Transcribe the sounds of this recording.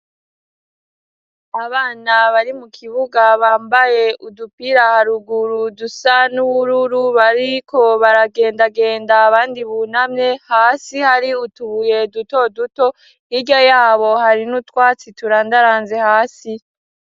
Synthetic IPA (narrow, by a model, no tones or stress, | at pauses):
aβaːnaβaɾimukʰiβuɡaβaːmbaje̞ʔudupiɾahaɾuɡuɾudusanuβuɾuɾuβaɾikʰo̞βaɾaɡe̞ːndaɡe̞ːndaːβaːndiβunamɲe̞haːsihaɾiutuβuje̞duto̞duto̞ | iɾɟojaːβo̞haɾinutwaːt͡situɾaːndaɾaːnze̞haːsi